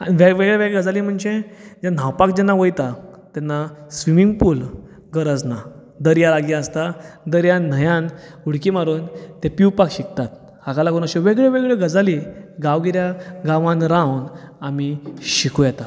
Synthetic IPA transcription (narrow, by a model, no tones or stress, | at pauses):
aiʋeʋeɡɭeʋeɡəd͡zalim̤əɳd͡ʑed͡ʑan̤awpakd͡ʑɛnːaʋəjt̪at̪ɛnːasʋimiŋɡpuːl | ɡəɾəd͡zna | d̪əɾjalaɡjiəst̪ad̪əɾjan̤əjãnuɽkimaɾuːnt̪ɛ̃piwpakɕik̚t̪at̪̚ | hakalaɡunəɕẽʋeɡɭeʋeɡɭeɡəd͡zaliɡawɡiɾjaɡaʋãnɾãwnamiɕikʰujɛt̪a